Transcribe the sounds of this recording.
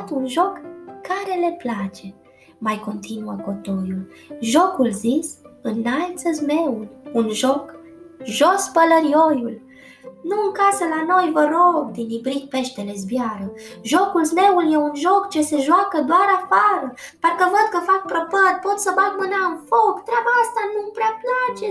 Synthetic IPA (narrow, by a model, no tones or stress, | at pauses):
t̪unʒo̞kːaɾe̞le̞plat͡ʃe̞ | majko̞nt̪inuəko̞t̪o̞jul | ʒo̞kulzisɨnːalt̪səzmeulʲunʒok | ʒospələɾio̞jul | nuɨŋkasəlano̞jvəɾoɡ̚d̪inibɾit̪̚pe̞ʃt̪ele̞zbjaɾəʒo̞kulzme̞uljeunʒo̞kt͡ʃe̞se̞ʒwakəd̪oaɾafaɾəpərkəvəd̪̚kəfak̚pɾəpət̪̚po̞t̪səbat̪mɨnaɨnfo̞kt̪ɾʲeabaast̪anumpɾeaplat͡ʃe̞